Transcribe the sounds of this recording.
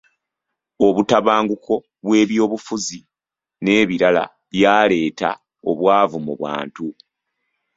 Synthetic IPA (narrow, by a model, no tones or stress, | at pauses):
o̞βutaβaːŋɡuko̞ | βwe̞ːβjo̞ːβufuzi | ne̞ːβiɾala̰ | βjaːle̞ːta̰ | o̞̰βwaːvumuβwa̰ːntu